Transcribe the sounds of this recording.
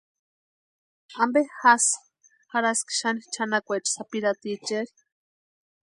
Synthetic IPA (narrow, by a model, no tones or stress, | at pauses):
ambexas | haɾaski̥ʃanit͡ʃʰanakʷet͡ʃsapiɾat̪it͡ʃeɾi̥